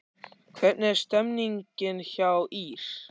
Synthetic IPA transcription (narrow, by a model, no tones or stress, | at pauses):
kʰvɛt̪̚nɛɾ̥st̪ɛmniɲcɪnçawiɾ̥